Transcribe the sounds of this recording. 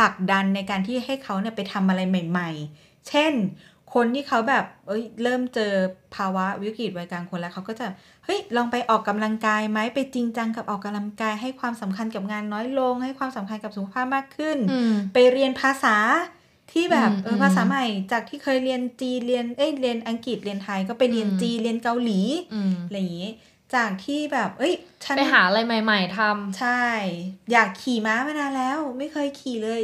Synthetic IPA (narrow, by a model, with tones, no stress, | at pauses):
pʰla˨˩k̚da˧nːa˧jkaː˧nt̪ʰiː˥˩ɦa˥˩jkʰa˦˥wni˥˩ɐpa˧jt̪ʰa˧mʔa˧ɾa˧jma˨˩jma˨˩j | t͡ɕʰe˥˩n | kʰo˧nt̪ʰiː˥˩kʰa˦˥wbɛː˨˩p̚ʔɤ˦˥jɾɤː˥˩mt͡ɕɤː˧pʰaː˧wa˦˥wi˦˥kɾi˨˩t̪̚waː˧jkaː˧nkʰo˧nlɛ˦˥kʰa˦˥wkɔː˥˩t͡ɕa˨˩p̚ | hɤ˦˥jlɔː˧ŋpa˧jʔɔː˨˩kːa˧mla˧ŋkaː˧jma˦˥jpa˧jt͡ɕi˧ŋt͡ɕa˧ŋka˨˩p̚ʔɔː˨˩kːa˧mla˧ŋkaː˧jɦa˥˩jkʰwaː˧msa˩˦mkʰa˧nka˨˩p̚ŋaː˧nːɔː˦˥jlo˧ŋha˥˩jkʰwaː˧msa˩˦mkʰa˧nka˨˩p̚su˨˩kʰa˧pʰaː˥˩p̚maː˥˩kʰːɯ˥˩npa˧jɾi˧ənpʰaː˧saː˩˦ | t̪ʰiː˥˩bɛː˨˩p̚ʔɤː˧pʰaː˧saː˩˦ma˨˩jt͡ɕaː˨˩k̚t̪ʰiː˥˩kʰɤː˧jɾi˧ənt͡ɕiː˧li˧ənʔɤ˦˥˩jli˧ənʔa˧ŋki˨˩t̪̚li˧ənt̪ʰaː˧jkɔː˥˩pa˧jɾi˧ənt͡ɕiː˧li˧ənka˧wliː˩˦˧jŋi˦˥ | t͡ɕaː˨˩k̚t̪ʰiː˥˩bɛː˨˩p̚ʔɤ˦˥jt͡ɕʰa˦˥pa˧jɦaː˩˦ʔa˧ɾa˧jma˨˩jma˨˩jt̪ʰa˧mt͡ɕʰa˥˩jjaː˨˩kʰːiː˨˩maː˨˦˥maː˧˥naː˧nlɛː˦˥wma˥˩jkʰɤː˧jkʰiː˨˩lɤː˧j